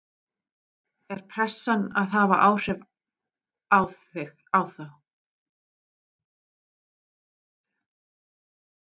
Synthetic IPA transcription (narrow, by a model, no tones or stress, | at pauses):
ɛɾ̥pʰɾɛsːana̰ðɦavaʔaːwr̥ɛv | awθɪx | awθaw